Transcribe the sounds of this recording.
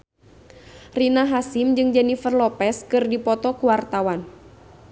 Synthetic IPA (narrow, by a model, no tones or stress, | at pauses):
rinaɦasimd͡ʒɨŋd͡ʒanifərlɔpɛskɨrdipɔt̪ɔkuwart̪awan